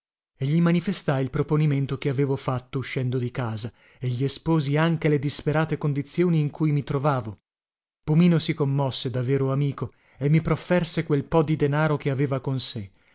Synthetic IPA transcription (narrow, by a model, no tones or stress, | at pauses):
eʎːimanifest̪ailpɾoponiment̪okeaveːvofat̪ːouʃːɛnd̪od̪ikaːza | eʎːiespoːziaŋk̟eled̪ispeɾaːt̪ekond̪it̪sːjoːniːŋkujmit̪ɾovaːvo | pumiːnosikomːɔsːed̪avːeːɾoamiːko | emːipɾofːɛrsekwelpɔd̪id̪enaːɾokeaveːvakonse